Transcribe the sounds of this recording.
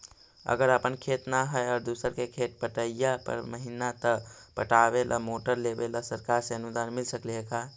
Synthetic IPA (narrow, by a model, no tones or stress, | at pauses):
ə̰ɡəɾəpənkʰet̪naɦəjaːɾd̪usəɾkekʰeʈ̚pəʈəjapə̰ɾməɦinat̪ə | pə̰ʈabelʔa̰moʈəɾlebelasəɾkaɾseənud̪anmilsəkliɦeka